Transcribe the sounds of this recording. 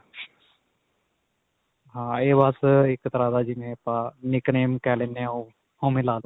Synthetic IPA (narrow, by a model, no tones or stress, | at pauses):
ɦãːeːbasɪkət̪ɾaːd̪aːd͡ʒimẽpãnɪkneːmkɛːlenːẽõ | hõːmẽlaːlo